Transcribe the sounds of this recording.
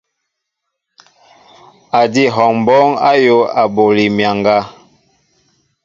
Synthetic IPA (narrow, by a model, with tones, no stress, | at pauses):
a˨di˦ɦɔ˨ŋm˨bɔ˦ŋa̰˦jo˦a˨bo˨li˨mja˨ŋɡa˦